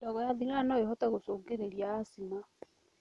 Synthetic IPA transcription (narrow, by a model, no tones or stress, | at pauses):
dɔɣɔjaðiɾanɔeɦɔtɛɣosoːŋɡeɾeɾjaːsina